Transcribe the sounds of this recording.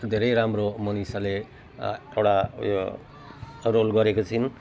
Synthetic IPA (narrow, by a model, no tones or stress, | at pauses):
d̪ʱeɾʌjɾamromʌnisale | ewʈajo | rolɡʌɾekot͡sʰin